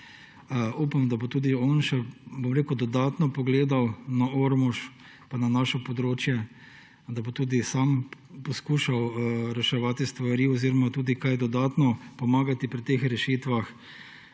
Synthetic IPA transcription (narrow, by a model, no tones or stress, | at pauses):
upamd̪abot̪uːd̪iɔnʃɛbomɾeːkud̪ɔd̪aːt̪nɔpɔɡleːd̪awnaoɾmuʃ | pananaːʃɔpɔd̪ɾoːt͡ʃjɛ | d̪abot̪uːd̪isaːmpɔskuːʃawɾɛʃɛʋaːt̪ist̪ʋaɾiɔziɾɔmat̪uːd̪ikajɛd̪ɔd̪aːt̪nɔpɔmaːɡat̪ipɾit̪eːxɾɛʃiːt̪ʋax